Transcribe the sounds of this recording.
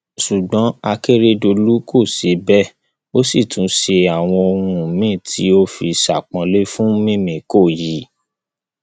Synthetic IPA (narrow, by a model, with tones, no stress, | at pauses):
ʃu˨ɡ͡bɔ̃˨˦a˧ke˦ɾe˦do˧lu˦kʰo˦˨se˨˧bɛ˦˨ | o˦si˦˨tũ˨˦ʃe˧a˨w̃ɔ̃˧o˧ɾũ˧mĩ˦˨tʰi˨˦o˦fi˧sa˨k͡pɔ̃˧le˦fũ˦mĩ˦mĩ˨ko˦˨ji˨˦